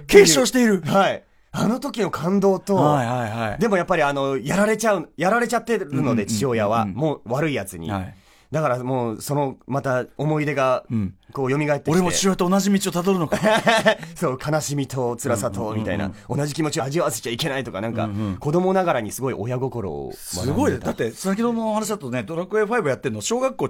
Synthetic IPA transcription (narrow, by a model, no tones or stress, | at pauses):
ke̞ːɕo̞ːɕi̥t̪e̞iɾɯ̟hai | ano̞t̪o̞kʲino̞kʰãnd̪o̞ːt̪o̞haihaid̪e̞mo̞japːaɾʲiano̞jaɾaɾe̞t͡ɕaɯ̟jaɾaɾe̞t͡ɕat̪ːe̞ɾɯ̟no̞d̪e̞t͡ɕijo̞ːjaβamo̞ːβaɾɯ̟ijat͡sɨɲ̟ḭ | d̪akaɾamoːso̞no̞mat̪aomo̞id̪e̞ɡako̞ːjo̞mʲiɡaet̪ːeoɾʲiemoet͡ɕiiojat̪oːnaʑimʲit͡ɕiot̪ad̪oɾɯ̟no̞k | soːkʰanaɕimʲit̪o̞t͡sɨɾasat̪o̞mʲit̪aḭna̰o̞naʑikʲimo̞t͡ɕiaːʑiβase̥t͡ɕaike̞nait̪o̞kanãŋka̰ko̞d̪o̞mo̞naɡaɾaɲ̟isɨɡo̞iʔo̞jaɡo̞ko̞ɾo̞̰sɨɡo̞id̪d̪at̪ːe̞ssak̬ʲid̪omohanaɕiat̪ːoned̪oɾakɯeɸaibɯjat̪ːeɾɯ̟noɕo̞ːɡakːo̞ː